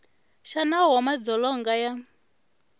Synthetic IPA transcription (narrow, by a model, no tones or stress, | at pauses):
ʃanawamad͡zɔlɔŋɡaja